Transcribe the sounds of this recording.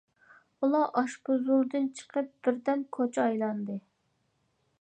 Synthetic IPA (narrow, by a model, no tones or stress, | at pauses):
ulˠɑʔɑʃpʊzulˠd̪ɨnt͡ʃʰə̥qʰəp̚d̪̥ɪɾd̪ɛnkʰot͡ʃʰɑjlˠɑnd̪ɨ